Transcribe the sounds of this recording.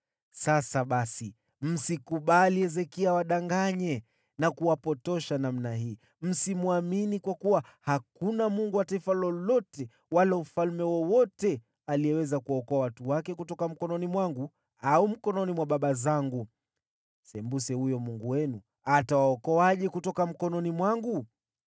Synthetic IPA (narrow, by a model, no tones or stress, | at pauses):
sasaɓasi | m̩sikuɓaliɛzɛkiawaɗaŋɡaɲɛ | nakuwapɔtɔʃanam̩naɦiː | m̩simuaminikwakuwahakunamuŋɡuwataifalɔlɔtɛ | walaufalmɛwɔwɔtɛ | aliɛwɛzakuwaɔkɔawatuwakɛkutɔkam̩kɔnɔnimwaŋɡu | aum̩kɔnɔnimwaɓaɓazaŋɡu | sɛmbusɛhujɔmuŋɡuwɛnu | atawaɔkɔaʄɛkutɔkam̩kɔnɔnimwaŋɡu